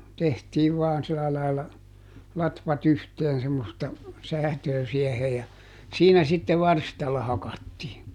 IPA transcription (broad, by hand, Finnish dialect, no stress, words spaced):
tehtiːʋ ʋɑːn silɑ lɑilɑ lɑtʋɑt yhteːn semːostɑ sæːtøː siɛhe jɑ siːnæ sitːe ʋɑrstɑlːɑ hɑkɑtːiː